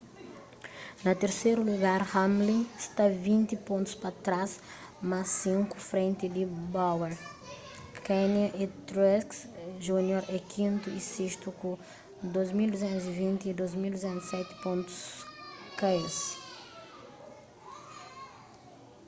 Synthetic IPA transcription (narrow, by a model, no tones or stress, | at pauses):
nɐt̪eɾsejɾuluɡaɾhãmlĩst̪avĩnt̪ipõnt̪u̥spɐt̪ɾas | masĩŋkufɾẽnt̪id̪ibaweɾ | kɛniʔit̪ɾɛsks | ʒunjoɾɛkʰĩnt̪uiseʃt̪uku | d̪ozmild̪uzẽnt̪uzivĩnt̪iid̪ozmild̪uzẽnt̪sɛt̪ɪ̥põnt̪u̥skaes